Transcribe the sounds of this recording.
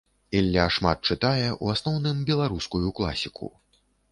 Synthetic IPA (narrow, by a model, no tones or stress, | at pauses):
ɛlʲːaʂmat̪̚t͡ʂɨt̪ajɛʔuasnɔwnɨmbʲɛlˠaɾuskujuklˠa̰sʲikʰṵ